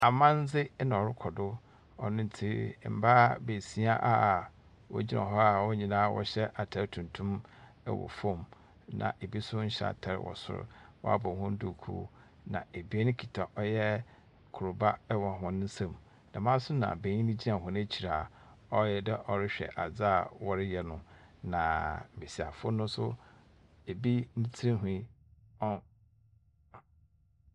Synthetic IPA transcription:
a˨mã˦n˦d͡zɪ˦nã˨ɔ˨ɾɪ˦kʰɔ˨dʊ˦ | ɔ̰˨nʊ̃˦n˦tʰi˦˨m̩˨ba˦be˨si˦a˦ʔa˨ | wɔ̰˦d͡ʑi˦nã̰˨ɦɔ˦a˨wɔ˦ɲĩ˨nãː˦wɔ̰˦ɕɛ˦ʔa˨tʰɛ˨ɾtʰũ˨ntʰũ˦m | ɛ̰˦wɔ̰˨fõ˦˨m | nã̰˨ʔe˨bi˦sʊ˦ɲ̩˦ɕɛ̰˦a̰˨tʰɛ˨ɾ̰wɔ̰˨sʊ̰˦ɾʊ̰˦wɔ̰˦a̰˦bɔ˨hʊ̃˦n˦dʊ˨kʰṵː˦ | nã̰˨e˨bi˦e˦nɪ̃˦kʰi˨tʰa˨ʔɔ˦jɛ˦ | kʰʊ˨ɾʊ˨ba˦wɔ̃˨ɦʊ̃˦n˦n̩˦sã˦˨m | nã˨mã˦sʊ˦nã̰˨be˨ɲĩ˦nĩ˦d͡ʑi˦ã˨ɦʊ̃˨ñ˦e˦t͡ɕʰi˨ɾa˨ | ɔ˦jɛ˦dɛ˦ʔɔ˨ɾɪ˦ɕᶣɛ̰˨ʔa˨d͡za˦˨wɔ˦ɾɪ˦jɛ˨nʊ̃˦nã˨mɪ̃˨si˨a˨fʊ˦nʊ̃˦sʊ˦ | e˨bi˦nĩ˦tʰi˦ɾĩ˦ɦĩ˦ | ɔ˦

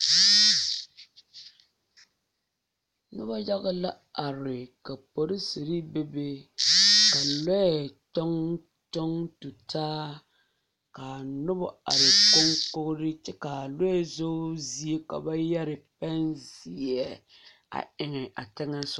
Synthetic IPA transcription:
nʊ˦ba˦ja˦ɣa˦la˦ | a˨ɾɪ˨ka˨po˨ɾɪ˦si˨ɾi˦be˦be˦ | ka˨lɔ˦ɛ˨tɔ˦ŋ | tɔ˦ŋtu˨taː˦ | ka˨nʊ˦ba˦a˨ɾɪ˨ko˦ŋkʊ˦ɡʊ˦ɾɪ˦t͡ʃɛ˦ka˨lo˦ɛ˦˨zo˦zi˦e˦ka̰˨ba˦ja˦ɾɪ˨pɛ˦nzi˦˨jɛ˦ | a̰˨ɪ˨ŋɪ˨ʔa̰˨tɪ˦ŋa˦sʊ˨

